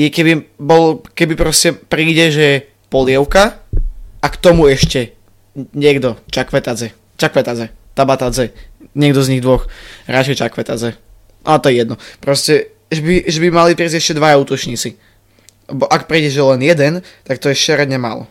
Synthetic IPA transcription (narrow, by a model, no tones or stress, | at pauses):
jɛkɛbibɔlɔkɛbipɾɔscɛpɾiːɟɛʒɛ | pɔlɪɛʊka | akt̪ɔmuɛʃcɛ | ɲɪɛɡd̪ɔt͡ʃakʋɛt̪ad͡zɛ | t͡ʃakʋɛt̪ad͡zɛt̪abat̪ad͡zɛɲɪɛɡd̪ɔzɲiɣd̪ʋɔxɾat͡ʃɛjt͡ʃakʋɛt̪ad͡zɛ | nat̪ɔjɛjɛd̪nɔpɾɔscɛ | ʒɛbiʒɛbimalipɾiazɛʃcɛd̪ʋajauːt̪ɔt͡ʃɲiːt͡si | lɛbɔʔakpɾiːɟɛʒɛlɛnjɛd̪ɛnt̪akt̪ɔjɛʃɛɾɛɲɛma̰ːlɔ̰